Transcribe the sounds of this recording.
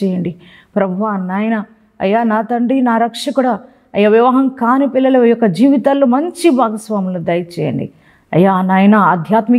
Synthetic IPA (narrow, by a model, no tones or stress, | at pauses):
ɛːjɐɳɖi | pɾɐbʱuʋaːnaːjɐnɐ | ɐ̰jːaːnaːt̪ɐɳɖinaːɾɐkʂɐkuɽa | ɐjːaʋjɐʋɐɦɐmkaːnipilːɐlɐjɔkːɐd͡ʒiːʋit̪aːlːoːmɐɲt͡ʃibʱaːɡɐsʋaːmɐloːd̪ɐjɐt͡ʃɛ̰ːjɐ̰ɳɖḭ | ɐ̰jːanaːjɐnɐɐd̪ʱjaːt̪mi